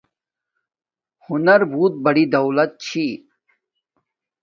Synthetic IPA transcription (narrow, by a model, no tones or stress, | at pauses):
hʊnɐɾbʱuːt̪̚bɐɽid̪ɐwlɐt̪̚t͡ɕʰi